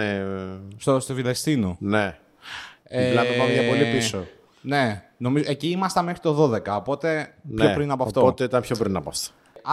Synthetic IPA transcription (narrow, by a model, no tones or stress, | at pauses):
est̪ost̪ovilest̪inone | elɐevɐmʝɐpo̞lipio | ne̞no̞mizoeciimɐst̪ɐme̞xɾit̪o̞ðo̞ðe̞kɐopo̞t̪e̞pnçopɾinɐpoɐft̪oot̪eit̪ɐnpço̞pɾinɐpɐ̰ft̪o̥